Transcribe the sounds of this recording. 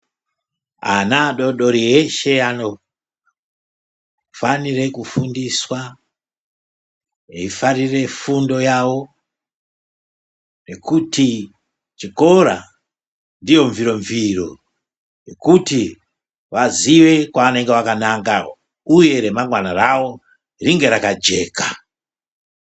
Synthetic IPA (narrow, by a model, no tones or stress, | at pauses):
a̰naɗo̞ɗo̞ɾieʃe̞ano̞ | fanire̞kufundiswa | ifarire̞fundo̞jawo̞ | ne̞kuti | t͡ʃiko̞ɾa̰ | ndijo̞ɱviɾo̞ɱviro̞ | jekuti | ʋaziʋe̞kwaane̞ŋɡe̞ʋakanaŋɡa | uje̞ɾe̞maŋɡwanarawo̞ | riŋɡe̞ɾakad͡ʒe̞ːkḁ